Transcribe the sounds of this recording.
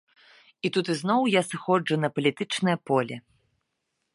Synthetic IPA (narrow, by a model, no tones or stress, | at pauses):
it̪ut̪ɨznɔwjasɨxɔd͡ʐunɐpɐlʲit̪ɨt͡ʂnɨjɐpɔlʲɛ